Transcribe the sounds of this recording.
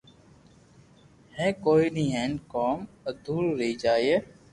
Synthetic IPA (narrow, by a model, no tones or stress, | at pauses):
hẽːkoːiːnĩːɦẽːnkoːməd̪uːɾːəiːd͡ʒaːieː